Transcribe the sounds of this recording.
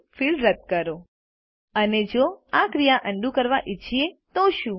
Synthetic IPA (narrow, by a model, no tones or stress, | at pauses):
filɾət̪̚kəɾo | əned͡ʒoakɾijaʔə̃ɳɖũkəɾʋaʔit͡ʃʰiet̪oʃũ